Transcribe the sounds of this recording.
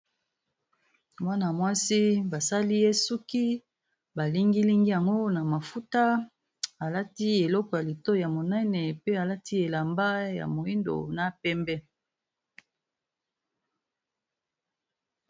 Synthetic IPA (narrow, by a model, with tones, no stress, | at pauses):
wa˦na˨mwa˦si˦ba˨sa˦li˦je˦su˦ki˦ | ba˨li˦ŋɡi˦li˦ŋɡi˦ja˨ŋɡo˦na˨ma˨fu˦ta˦ | a˨la˦ti˦e˨lɔ˦kɔ˨ja˨li˨to˦ja˨mo˨nɛ˦nɛ˨pe˦a˨la˦ti˦e˨la˨mba˦ja̰˨mo˨i˦ndo̰˨na˨pɛ˦mbɛ˦